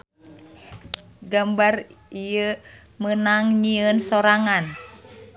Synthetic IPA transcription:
ɡambarijə | mənaŋɲiənsoɾaŋan

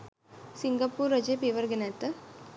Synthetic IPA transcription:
siŋɡɐpuːɾɐd͡ʒeːpeːʋɐɾɡenat̪ɐ

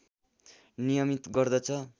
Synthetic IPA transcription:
nijʌmit̪ɡʌrd̪ʌt͡sʰʌ

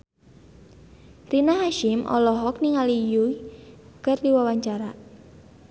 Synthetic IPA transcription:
rinaɦaʃɪmʔɔ̰lɔɦɔk̚niŋalijuikərdiwawaɲt͡ʃaɾa

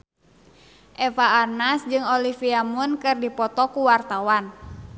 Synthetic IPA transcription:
ʔɛfaːrnasd͡ʒɨŋɔlifiamunkɨrdipɔt̪ɔkuwart̪awan

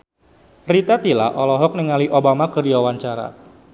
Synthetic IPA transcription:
rit̪at̪ila̰ʔɔlɔɦɔk̚nəŋaliʔobamakərdiwawaɲt͡ʃaɾa̰

